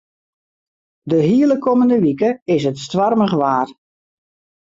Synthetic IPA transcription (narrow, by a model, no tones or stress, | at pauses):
dəɦiələkʰoməndəʋikəɪsətstʋarməɣəʋaːr